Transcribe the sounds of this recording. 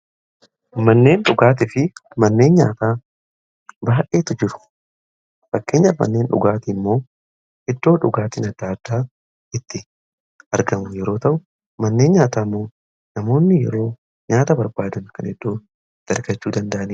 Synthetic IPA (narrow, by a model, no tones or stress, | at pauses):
mɐnːe̞ːnᶑʊɡaːt̪̬ɪfɪmɐnːe̞ːnɲaːt̪aː | baːʔe̞ːt̪ʊd͡ʒɪɾʊ̥ | fɐkːe̞ːɲːɐmɐ̰nːe̞ːnᶑʊ̰ɡaːt̪ɪmːo̞ː | ʔɛd̪ːo̞ːᶑʊɡaːt̪ɪnɐd̪ːaːd̪̥ːaː | ɪt̪ːɪ | ɐɾɡɐmʊjɛɾo̞ːt̪ɐʔʊ | mɐnːe̞ːnɲaːt̪aːmːo̞ː | nɐmo̞ːnːɪjɛ̰ɾo̞ː | ɲaːt̪ɐbɐɾbaːd̪ɐnkɐnɛd̪ːo̞ː | d̪̥ɐɾɡɐt͡ʃːuːd̪ɐnd̪ɐʔɐni